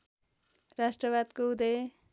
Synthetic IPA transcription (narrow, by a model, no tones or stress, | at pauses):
rasʈrʌβad̪koud̪ʌj